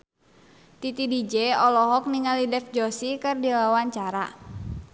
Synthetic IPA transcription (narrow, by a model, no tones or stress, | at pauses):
t̪it̪idid͡ʒeɔlɔɦɔk̚niŋalidɛfd͡ʒosikɨrdiwawaɲt͡ʃaɾa